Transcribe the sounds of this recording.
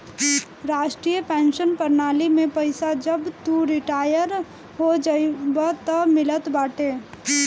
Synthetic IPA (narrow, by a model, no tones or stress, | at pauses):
ɾaːʃʈɾijəpɛ̃ːnʃənpəɾnaːlimẽpəɪsad͡ʒəbt̪uɾɪʈaːjəɾ | ɦod͡ʒəbat̪əmɪlət̪baːʈe